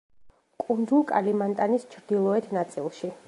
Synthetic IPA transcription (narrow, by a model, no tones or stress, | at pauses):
kʼund̪ulˠkʼalimant̪ʼanist͡ʃʰɾd̪ilˠɔɛt̪ʰnat̪sʼḭlˠʃi